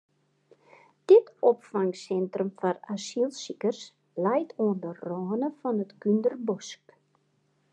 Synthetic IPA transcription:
d̥ɪtɔpfaŋsɛntrəmfɑrasilˠsikərs | lɛjtʰoəndərɔːnəfɑnətkyndərbɔsk

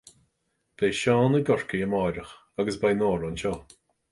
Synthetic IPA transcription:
b̥eːʃɔːnəɡɔɹkəjəmaːɾəx | aɡəsbajnoːɹɔnʃɔː

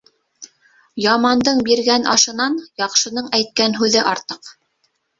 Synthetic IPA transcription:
jɑmɑnd̪ɤɴbiɾɡænʔɑʃɤ̆nɑnjɑqʃɤ̆nɤɴæjt̪̚kænɦʉðɘʔɑɾt̪ɤq

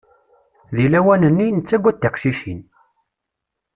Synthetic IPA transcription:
ðilæwænənːinət͡sːæɡʷːæt̪ːæqʃiʃin

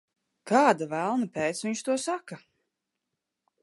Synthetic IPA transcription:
kaːd̪avælˠnapɛːt̪sviɲʃt̪uɔsaka

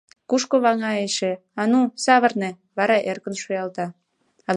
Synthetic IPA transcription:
kuʃkoβɑŋɑeʃe | ɑnusɑβərnĕ | βɑɾɑʔerkə̆nʃojɑlt̪ɑ | ɑ

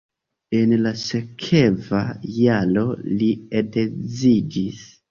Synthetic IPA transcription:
e̞nlase̞kʰevajalo̞liedezid͡ʒis

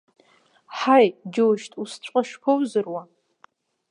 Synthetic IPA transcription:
ħajd͡ʒoʃtʼust͡ɕʷʼaʂpʰowzɨrwa

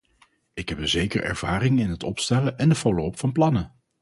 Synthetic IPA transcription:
ɪkɦɛp̚dəzejkə̰rʔɛ̰ɹv̥aːɾɪŋɪnɦətɔpstɛləʔɛndəfowlopfɑnplɑnə

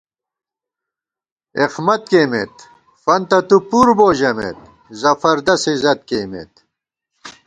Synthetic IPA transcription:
eqmɐt̪̚keːmḛt̪ | fɐnt̪ɐt̪upuɾboːʑɐmḛt̪̚ | zɐfɐɾd̪ɐsezɐt̪̚keːmḛt̪

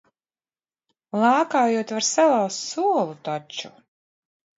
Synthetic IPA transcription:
lˠaːkaːjuɔt̪vaɾsalˠawst̪suɔlˠut̪ɔt͡ʃu

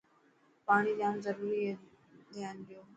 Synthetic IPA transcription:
paːɽ̃idaːmzəɾuːɾi | d̪ʱjaːnɗɪjoː

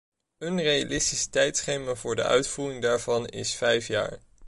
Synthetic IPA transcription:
ənreja̰lɪstistɛjtsχejmaːvʊːɹdə̰ʔœ̰ɥtfuːrɪŋdaːɹvɑnɪ̰sfɛjfja̰ːɹ

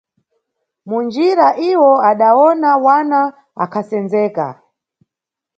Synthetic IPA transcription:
mund͡ʒiɾaʔiwɔaɗawɔnawana | a̰kʰasɛnzɛːka̰

